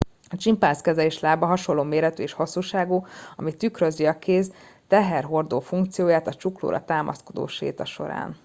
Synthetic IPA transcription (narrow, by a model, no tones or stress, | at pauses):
ɒt͡ʃimpaːskɛzɛleːʃlaːbɒɦɒʃo̞lːoːmeːɾɛt̪yeːʃhɒsːuːʃaːɡuːɒmit̪ykɾøziɒkeːz | t̪ɛɦɛrɦo̞rd̪oːfuŋk̚t̪sijoːjaːt̪ɒt͡ʃuklo̰ːɾɒ̰t̪aːmʔɒ̰sko̞d̪o̰ːʃḛːt̪ɒʃo̞̰ɾa̰ːn